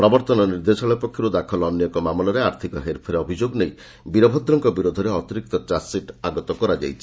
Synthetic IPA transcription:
pɾɔbɔɾt̪ɔnɔniɾd̪esɔɭɔjpɔkʰːjɔɾud̪akʰɔlɔnjɔkɔmamɔlɔɾeaɾt̪ʰikɔɦeɾpʰɔɾeɔbʱid͡ʒoɡnej | biɾɔbʱɔd̪ɾɔŋkɔbiɾod̪ʱɔɾeɔt̪iɾik̚t̪ɔtɾasiʈaɡɔt̪ɔkɔɾad͡ʒa̰jt͡ʃʰi̥

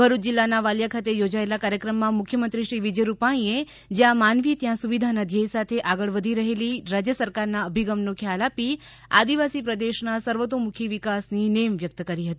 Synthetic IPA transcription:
bʱəɾut̪̚d͡ʒilːanaʋaljakʰat̪ejod͡ʒaelakaɾjəkɾəmːãmʊkʰjəmənt̪ɾiʃɾiʋid͡ʒəjɾupaɽ̃ie | d͡ʒjãmanʋit̪jãsuʋid̪ʱanəd̪ʱjəsat̪ʰeʔaɡəɭʋəd̪ʱiɾəɦeliɾad͡ʒjəsəɾkaɾnaəbʱiɡəmnokʰjalapi | a̰d̪iʋasipɾəd̪eʃnasəɾʋət̪omukʰiʋikasninemʋjək̚t̪kəɾiɦət̪i

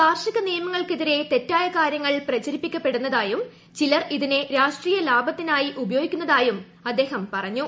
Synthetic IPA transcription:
paːrʂɐɣɐnijɐmɐŋːɐɭkiðiɾe̞t̪e̞tːaːjɐkaːɾjɐŋːɐɭprɐt͡ɕɐɾipːikʲːɐpːe̞ɽunːɐðaːjum | t͡ɕilɐriðineɾaːʂʈriːjɐlaːbɐt̪ːinaːjiʔubɐjo̞ːɡikʲːunːɐðaːjum | ɐd̪ːe̞ːhɐmpɐrɐɲːu

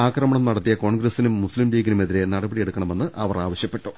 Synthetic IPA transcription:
aːkrɐmɐɳɐmnɐɽɐt̪ːijɐko̞ːɳɡɾɐsinumːuslimliːɡɐnume̞ðiɾe̞nɐɽɐbɐɽijeɽukːɐɳɐme̞nːɨʔɐʋɐraːʋɐɕjɐpːe̞ʈːu

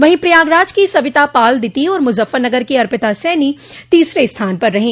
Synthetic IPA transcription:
ʋɐɦĩpɾijaːɡɾaːd͡ʒkisɐbɪt̪apaːld̪ɪt̪iɔːɾmʊzəfəɾnɐɡəɾkiɐɾpɪt̪asɛːni | t̪iːsɾest̪ʰaːnpɐɾːɐɦẽː

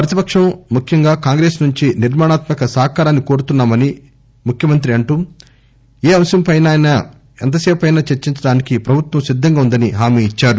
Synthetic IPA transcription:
pɾɐt̪ipɐkʂɐmmukʰjɐŋɡaːkaːŋɡɾe̞ːsnuɲt͡ʃiniɾmaːɳaːt̪mɐkɐsɐɦɐkaːɾaːnːiko̞ːɾut̪unːaːmɐni | mukʰjɐmɐnt̪̬ɾiɐɳʈuː | eːɐmsɐmpɐjnaːjnɐ | ḛnt̪̬ɐseːpɐjnaːt͡ʃeɾt͡ʃiɲt͡ʃɐɽaːnikipɾɐbʱut̪wɐmsid̪ʱːɐŋɡaːund̪ɐniɦaːmeːt͡ʃːaːɾu

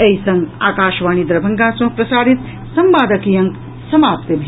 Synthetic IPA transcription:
ejsɐŋɡa̰ːkaːʃʋaːɳid̪ɾɐbʱɐŋɡaːsmɐpɾɐsaːɾit̪ | sɐmʋaːd̪ɐkijɐŋk | sɐmaːpt̪im

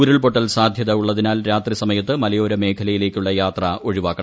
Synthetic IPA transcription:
ɾɐɭpo̞ʈːɐlsaːd̪ʱjɐðɐuɭːɐðinaːlɾaːt̪risɐmɐjɐt̪ːɨmɐlɐjo̞ːɾɐme̞ːkʰɐlɐjile̞ːkʲːuɭːɐjaːt̪rɐʔo̞ɻiʋaːkːɐ

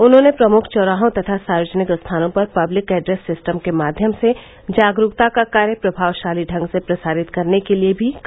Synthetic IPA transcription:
ʊnɦõːnepɾɐmʊkʰt͡ʃɔːɾaːɦõt̪ɐt̪ʰasaːjoːd͡ʒənɪkst̪ʰaːnõpɐɾpɐblɪkɛːɖɾeːsːɪsʈəmkemaːd̪ʱjəmse | d͡ʒaːɡɾʊkt̪akakaːɾjəpɾɐbʱaːʋʃaːliɖʱɐ̃ŋɡsepɾɐsaːɾɪt̪kɐɾnekeliebʱik

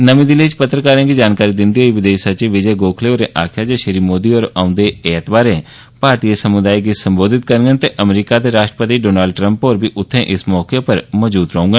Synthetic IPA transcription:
nəmĩːd̪ɪleit͡ʃpət̪ɾəkaːɾẽːkid͡ʒaːnkaːɾiːd̪ɪnd̪iːɦoːiːʋɪd̪eːʃsəɾt͡ʃiʋɪd͡ʒeːɡoːkʰleːoɾeːʔaːkʰjaːd͡ʒeːʃəɾiːmoːd̪iːɔːɾaːʊ̃nd̪eːɛːt̪baːɾẽː | paːɾt̪iːesəmʊd̪aːiɡisəmboːd̪ɪt̪̚kəɾɡənt̪eʔəmɾiːkaːt̪eːɾaːʃʈɾəpət̪iːɖoːnaːlɖ̚ʈɾə̃mpoːɾbʱiːʔʊt̪ʰːẽːʔɪsmɔːkepəɾmɔːzbuːt̪ɾəũːŋɡə

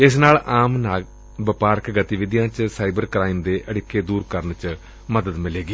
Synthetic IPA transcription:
ɪsnaːlaːmnaː | bəpaːɾkɡət̪iʋɪd̪ijãːt͡ʃsaːibəɾkɾaːimd̪eːʔəɽɪkːeːd̪uːɾkəɾnt͡ʃ | məd̪əd̪mɪleːɡiː

